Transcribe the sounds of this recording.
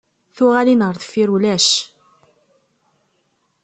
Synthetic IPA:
θʊʁælinəɾˤðfiɾulæʃ

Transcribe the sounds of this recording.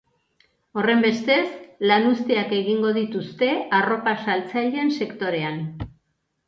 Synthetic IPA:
o̞re̞mbe̞st̪e̞slanust̪iake̞ɣiŋɡo̞ð̞it̪ust̪e̞aro̞pasalt͡saʎe̞nse̞kt̪o̞ɾe̞an

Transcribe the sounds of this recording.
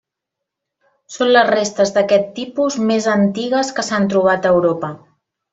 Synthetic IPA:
sonləzrest̪əzðəkɛt̪ːipuzmezənt̪iɣəskəsant̪ɾuβ̞at̪əːwɾopə

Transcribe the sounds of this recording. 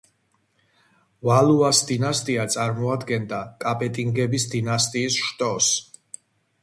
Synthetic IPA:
valuasd̪inast̪ʼiat̪sʼaɾmɔad̪ɡɛnd̪akʼapʼɛt̪ʼiŋɡɛbisd̪inast̪ʼiːsʃt̪ʼɔs

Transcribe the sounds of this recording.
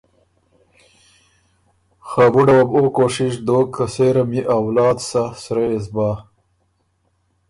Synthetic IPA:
xabuɖɐwɐbokoːʂiʂd̪oːkʰːɐseɾɐmiʔawlɑːd̪sasɾeesbaː

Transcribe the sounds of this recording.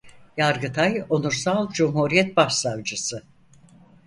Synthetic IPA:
jaɾɡɯt̪ʰajonuɾsalˠd͡ʒumhuɾijɛt̪̚baʃsavd͡ʒɯsɯ

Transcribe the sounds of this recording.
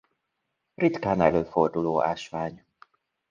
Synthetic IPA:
rit̪kaːnɛ̰løːfo̞rd̪uloːʔa̰ːʃʋaːɲ

